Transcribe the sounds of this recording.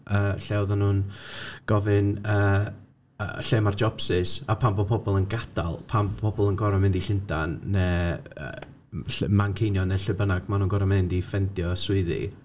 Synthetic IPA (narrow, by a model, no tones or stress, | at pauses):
ʔəːɬɛwðɔnuːnɡ̥ɔvɨnə̰ː | ɬeːmard͡ʒɔpsɪsapʰambɔpʰɔbɔlˠənɡada̰lˠpʰampʰɔbɔlˠənɡɔɾɔmɪndiɬɪndanːɛə̰ː | ɬmankʰejnjɔnɛɬɨbənaɡ̥manuːnɡɔɾɔmɪndifɛndjɔswʊɨðḭ